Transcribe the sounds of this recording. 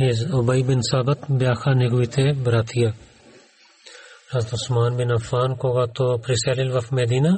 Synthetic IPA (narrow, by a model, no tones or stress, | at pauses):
ɦezʊbɐibɪnsaːbɐt̪bjaːxanɪɡʋit̪ʰebɐɾaːt̪ʰija | ɾɐzt̪ʊsmaːnbɪnɐfaːnkoːɡat̪opɾiseːlɪlʋɐfmed̪iːna